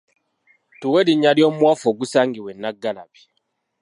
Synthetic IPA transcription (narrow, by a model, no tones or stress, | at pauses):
tuweɾiɲːaljo̞ːmwaːfoːɡusaːŋɡiwenːaɡːala̰βi̥